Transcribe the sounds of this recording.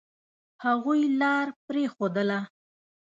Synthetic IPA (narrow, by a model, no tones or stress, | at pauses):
haɣujlɑɾpɾexod̪əla